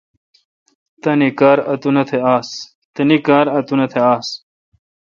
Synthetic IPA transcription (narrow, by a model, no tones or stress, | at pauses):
t̪ɐnikaːɾɐt̪unɐt̪ʰeaːs | t̪ɐnikaːɾɐt̪unɐt̪ʰeaːs